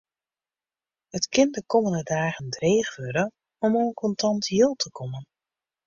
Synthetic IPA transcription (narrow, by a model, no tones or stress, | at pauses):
hətkʰɪndəkɔməndədaːɣəndreːxʋøɾə | ɔmoːnkʰɔntʰɑntjilˠtʰəkʰɔmən